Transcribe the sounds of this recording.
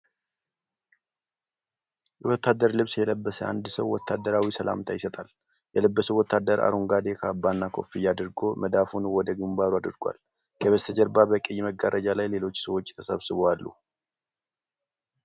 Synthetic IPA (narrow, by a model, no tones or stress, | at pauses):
jɛwɔt̪ːad̪əɾlɨβsjɛləbːəsəʔa̰nd̪səwwɔt̪ʰːad̪ːəɾawisəlʔa̰mt̪ʰajɪsət̪ʼal | jɛləbːəsuwɔt̪ːad̪əɾa̰ɾuŋɡad̪ekʰəːbːanːakʰo̞̰fijad̪ɨɾɡo̞məd̪afunwɔd̪əɡɨmbaɾuad̪ɨɾɡʷa̰l | kʰəβəsəd͡ʒəɾbabəkʼɨjːməɡaɾʔəd͡ʒalajle̞lo̞t͡ʃːsəwo̞t͡ʃːt̪ʰəsəβsɨβoalːṵ